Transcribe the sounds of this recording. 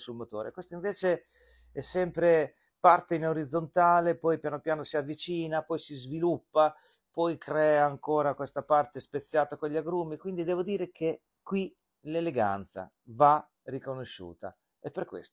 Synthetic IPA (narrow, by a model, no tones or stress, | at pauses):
sulmot̪o̰ːɾḛkwest̪oiɱveːt͡ʃe | ɛsːɛmpɾe | part̪einoɾid̪zːont̪aːlepɔjpjanopjaːnosiavːit͡ʃiːnapɔjsizvilupːa | pɔjkɾɛːaːŋkoːɾakwest̪apart̪espet̪sːjaːt̪akoʎːaɡɾumːikwind̪id̪ɛːvod̪iːɾek̟ʰe | kwi | leleɡa̰nt̪sa̰ | va | rikonoʃːṵːt̪a̰ | epːerkwḛst̪o̥